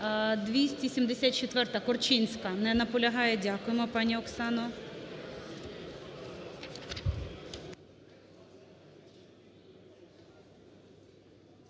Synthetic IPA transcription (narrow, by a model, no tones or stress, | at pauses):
d̪ʋʲisʲtʲisʲimd̪esʲat̪̚ʲt͡ʃɛt̪ʋɛrt̪ɐkɔrt͡ʃinʲsʲkɐnɛnɐpɔlʲɐɦɑjɛdʲakʊjɛmɔpɑnʲiɔksɑnɔ